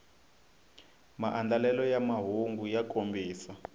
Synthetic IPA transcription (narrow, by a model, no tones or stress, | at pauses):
maʔand͡ɮalɛlɔjamaɦuŋɡujakʼombʱiːsa